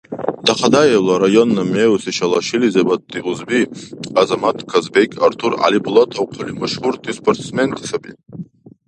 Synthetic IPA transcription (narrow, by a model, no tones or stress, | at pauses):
d̪̥aχʰad̪ajelaɾajonːameusiʃalaʃilizebad̪̚iʁuzbiazamat̪ʰkʰazbekʰʲʼa̰rt̪ʰura̰liblˠɔtʰawqʰulimaʃhuɾt̪ʰʼispʰort̪ʰsment̪ʰʂabḭ